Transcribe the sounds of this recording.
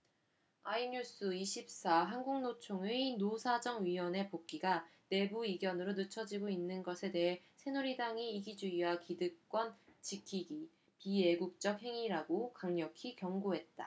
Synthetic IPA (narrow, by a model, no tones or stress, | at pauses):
aiɲus͈ɯiɕʰip̚s͈aɦanɡuŋnot͡ɕʰoŋeinosʰad͡ʑʌŋɥiwʌne̞pok͈iɡane̞buiɡjʌnɯɾonɯt͡ɕʰʌd͡ʑiɡoinːɯnɡʌsʰe̞de̞ɦe | sʰe̞nuɾidaŋiːɡid͡ʑuiwakidɯk̚k͈wʌnt͡ɕikʰiɡi | pie̞ɡuk̚t͡ɕ͈ʌk̚he̞ŋiɾaɡokaŋɲʌkʰikjʌŋɡoɦe̞t̚t͈a